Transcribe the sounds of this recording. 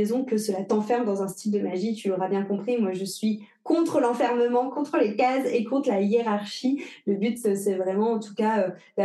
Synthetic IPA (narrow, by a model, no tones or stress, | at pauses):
ɛzɔ̃kəsəlat̪ɑ̃fɛʁmd̪ɑ̃zɛ̃st̪ild̪əmaʒit̪yloʁabjɛ̃kɔ̃pχimwaʒəsɥi | kɔ̃t̪χəlɑ̃fɛʁməmɑ̃kɔ̃t̪χəlekazekɔ̃t̪χlajeʁaʁʃiləbyt̪øsɛvʁɛmɑ̃ːt̪u̥kaø | ba